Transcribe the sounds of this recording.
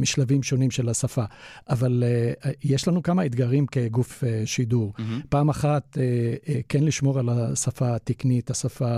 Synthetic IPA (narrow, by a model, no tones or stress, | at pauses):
miʃlavimʃo̞nimʃe̞lasafaʔavaljeʃlanukamaed̪ɡaʁimke̞ɡufeʃiduʁpaːmaχat̪ekenliʃmo̞ʁalasafat̪iknit̪asafa